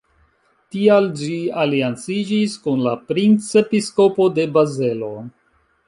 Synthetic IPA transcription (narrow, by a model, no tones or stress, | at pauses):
tiald͡ʒialiant͡sid͡ʒiskunla̰pɾint͡se̞pisko̞po̞de̞baze̞lo̞